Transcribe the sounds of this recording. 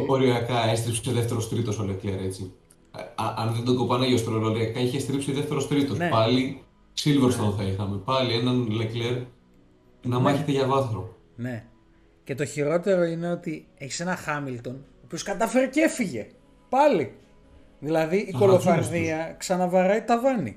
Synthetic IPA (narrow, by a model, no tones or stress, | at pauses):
oɾiɐkɐest̪ɾipseðe̞ft̪e̞ɾo̞st̪ɾit̪o̞solekleɾe̞t͡si | ʔɐnðend̪oɡo̞pɐneʝost̪ɾoloɾiɐkɐiçest̪ɾipsiðe̞ft̪eɾo̞st̪ɾit̪o̞sepɐli | silvɾost̪onθɐixɐmepɐlie̞nɐnlekle̞ɾ | nɐmɐçet̪eʝɐvɐθɾo | ne̞ | ce̞t̪o̞çiɾo̞t̪e̞ɾo̞ine̞o̞t̪ie̞çi̥se̞nɐxɐmilt̪o̞noːpio̞skɐt̪ɐfe̞ɾece̞fiʝe̞ | pɐli | ðilɐðiʔːko̞lofɐɾðiɐksɐnɐvɐɾɐit̪ɐvɐnḭ